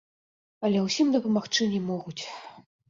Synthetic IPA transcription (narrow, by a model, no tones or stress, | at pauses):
ɐlʲɛwsʲimd̪ɐpɐmaxt͡ʂɨnʲɛmɔɣut͡sʲ